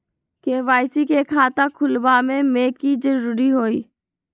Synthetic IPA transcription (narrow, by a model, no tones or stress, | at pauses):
keʋaːɪsikekʰaːt̪akʰʊlbamẽmeːkːid͡ʒəɾuːɾiɦoːiː